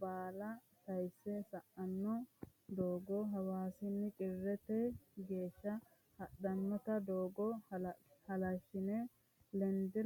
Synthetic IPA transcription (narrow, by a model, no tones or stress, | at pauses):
baːlɐ | t̪ɐjsːɛsɐʔɐnːɔd̪oːɡɔɦɐwaːsɪnːɪkʼɪrːɛt̪ɛɡe̞ːʃːɐ | hɐɗɐnːɔt̪ɐd̪oːɡɔ | hɐlɐʃːɪnɛ | lɛnd̪ɪ